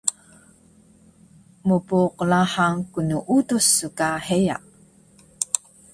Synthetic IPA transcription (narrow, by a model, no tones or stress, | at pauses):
mupuːqlaħaŋkunuʔutusːukaheja̰ʔ